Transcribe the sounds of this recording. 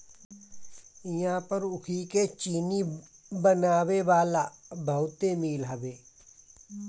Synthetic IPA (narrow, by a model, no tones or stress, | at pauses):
ɪjãːpəɾʊkʰiket͡ʃiːni | bənaːʋeʋaːlabʱəwt̪emiːlɦəʋeː